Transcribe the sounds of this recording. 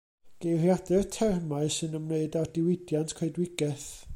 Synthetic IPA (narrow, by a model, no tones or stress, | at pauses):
ɡ̥ejrjadɛrtʰɛrmaɨsɨnəmneɨdardɪwɪdjantʰkʰeɨdwɪɡɛθ